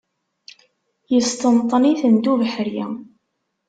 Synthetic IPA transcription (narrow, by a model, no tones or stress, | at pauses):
jəst̪ənt̪ˤːniθənd̪uvəħɾjæ̰